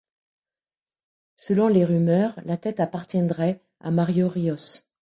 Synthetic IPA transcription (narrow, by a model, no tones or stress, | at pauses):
səlɔ̃leʁymœːʁlat̪ɛt̪apaʁt̪jɛ̃d̪ʁɛ | a̰maʁjoʁiɔs